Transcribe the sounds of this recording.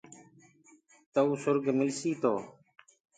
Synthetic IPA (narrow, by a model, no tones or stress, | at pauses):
t̪əuːsʊɾɡmɪlsiːt̪oː